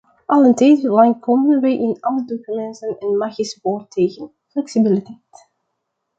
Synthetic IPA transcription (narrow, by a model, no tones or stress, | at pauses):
ʔɑlə̃ntejtlajnkʰɔmənwejʔɪ̃nɑlˠədokymɛ̃ntənɛnmaxisbɔːtʰejɣə̃n | flɛksibɪlitɛjt